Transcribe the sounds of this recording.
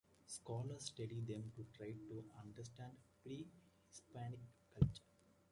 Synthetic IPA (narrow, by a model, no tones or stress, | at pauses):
skɔːləɾsʈeɖid̪ẽmʈuʈɾaɪʈuɐ̃ɳɖɐɾs̬ʈæ̃ɳɖpɾiː | hispaːnikːɐlt͡ʃəɾ